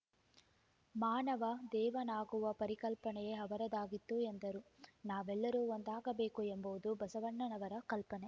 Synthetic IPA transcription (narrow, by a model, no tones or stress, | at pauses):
maːnɐʋɐd̪ɛːʋɐnaːɡuʋɐpɐɾikɐlpɐnɛjeɦɐʋɐɾɐd̪aːɡit̪ːuend̪ɐɾunaːʋɛlːɐɾuːond̪aːɡɐbe̞ːkuembɐʋud̪ubɐsɐʋɐɳːɐnɐʋɐɾɐkɐlpɐne